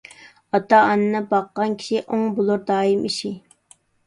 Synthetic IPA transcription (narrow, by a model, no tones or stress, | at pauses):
ɑt̪ɑːnɨnɨbɑqːɑnkʲʰi̥ʃiʔoŋbolˠuɾd̪ɑːjimʔiʃi